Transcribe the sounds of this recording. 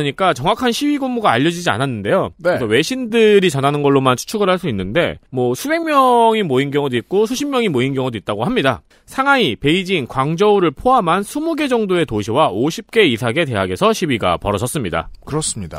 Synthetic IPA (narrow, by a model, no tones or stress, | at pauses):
ɲik͈at͡ɕʌŋwakʰanɕʰibiɡoŋmuɡaːʎːʌd͡ʑid͡ʑia̰nanːɯnde̞jonɯsʰʌwe̞ɕʰindɯɾit͡ɕʌnanɯnɡʌɭːomant͡ɕʰu̥t͡ɕʰuɡɯɭɦaɭs͈uinːɯnde̞̰mwʌsʰube̞ŋmʲjʌŋimoinɡjʌŋodoit̚k͈osʰuɕʰimjʌŋimoinɡjʌŋodoit̚t͈aɡohamɲida̰ | sʰaŋaipe̞id͡ʑinkwaŋd͡ʑʌuɾɯɭpʰoɦamɦansʰumuɡe̞d͡ʑʌŋdoe̞toɕʰiwaoɕʰip̚k͈e̞isʰaɡe̞te̞ɦaɡe̞sʰʌɕʰibiɡa̰pʌɾʌd͡ʑʌs͈ɯmɲida̰kɯɾʌs͈ɯmɲida̰